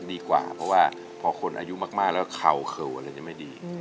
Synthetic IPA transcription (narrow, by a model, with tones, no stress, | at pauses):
diː˧kwa̰ː˨˩pʰɾɔ˦˥waː˥˩ | pʰɔː˧kʰo˧nʔa̰ː˧ju˦˥maː˥˩k̚maː˥˩k̚lɛː˦˥˩kʰa˨˩wkʰɤ˨˩wʔa˧ɾa˧jt͡ɕa˨˩ma˥˩jdiː˧